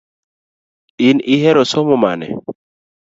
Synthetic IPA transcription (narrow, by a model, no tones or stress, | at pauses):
iniɦɛɾɔsɔmɔma̰nɛ̰